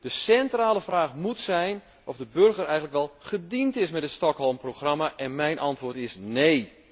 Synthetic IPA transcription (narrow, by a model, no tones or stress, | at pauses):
d̥əsɛntraːlˠəfraːxmutsɛjn | ʔɔfdəbɵrɣərɛjɣətləkʋɛlˠχədintɪsmɛtətstɔkhɔlˠmproxramaʔɛnmɛjnʔɑntʋoːtɪsnej